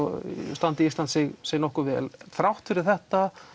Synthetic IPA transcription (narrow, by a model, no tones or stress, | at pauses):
st̪ant̪ɪist̪ant̪sɪɣseːjnɔhkʏvɛ̰ːlθɾawht̪fɪɾɪɾ̥θɛht̪a